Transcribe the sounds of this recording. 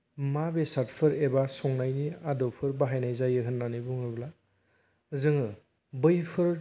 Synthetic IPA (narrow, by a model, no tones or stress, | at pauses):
mabesaɾtpʰɯɾebasɔŋnajniadɔpʰɯɾbaɦajnajzajɯɦɯnːanibɔŋɯbla | zɯŋɯ | bɯjpʰɯɾ